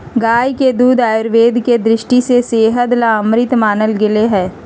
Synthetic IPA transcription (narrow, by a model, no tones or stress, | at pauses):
ɡaːjked̪uːd̪aːjʊɾʋeːd̪ʱked̪ɾɪʃʈiseseːɦəd̪laəmɾɪt̪maːnəlɡɪleɦɛ̃ː